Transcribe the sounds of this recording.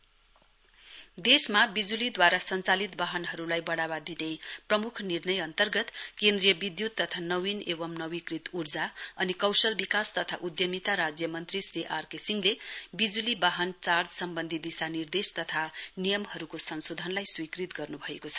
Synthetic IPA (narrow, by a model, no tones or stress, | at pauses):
d̪esmabid͡zulid̪waɾasʌnt͡salit̪baɦʌnɦʌɾulajbʌɽaβad̪ineprʌmukʰnirnʌjʌnt̪ʌrɡʌt̪kend̪rijʌbid̪jut̪ːʌt̪ʰanʌwinebʌmnʌwikrit̪urd͡zaʌnikʌwsʌlbikast̪ʌt̪ʰaʔud̪jʌmit̪aɾad͡zjʌmʌnt̪risriʔarkesiŋlebid͡zulibaɦʌnt͡sard͡zsʌmbʌnd̪ʱid̪isanird̪est̪ʌt̪ʰanijʌmhʌɾukosʌnsod̪ʱʌnlajswikrit̪ɡʌrnubʱʌekot͡sʰʌ̥